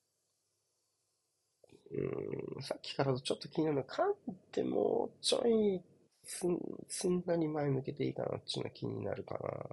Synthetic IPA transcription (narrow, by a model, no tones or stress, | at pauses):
ɯ̟̃sakʲːi̥kaɾat̪ot͡ɕo̞t̪ːokʲiɲ̟inaɾɯ̟nkʰãnt̪emoːt͡ɕo̰i | t͡sɨnːaɲʲimaemɯ̟ke̞t̪e̞ik̪ana̰t͡ɕːɨno̰kʲiɲ̟ina̰ɾɯ̟kana